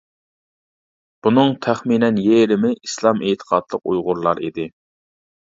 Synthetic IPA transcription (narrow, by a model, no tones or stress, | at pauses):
b̥unɨŋt̪ʰæχminɛnjeɾɪmɪislˠɑmʔet̪ʰə̥qʰɑd̪lˠəq̚ṵjʁʊɾlˠɑɾid̪ɪ